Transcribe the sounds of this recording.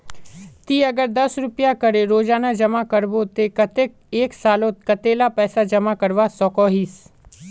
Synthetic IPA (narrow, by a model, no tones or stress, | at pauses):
t̪iːɐɡəɾd̪ɐsɾʊpjakəɾeɾoːd͡ʒaːnad͡ʒɐmakəɾbot̪ekət̪e | eːksaːlõt̪kət̪eːlapɛːsad͡ʒɐmakəɾʋasɔːkɔːɦiːs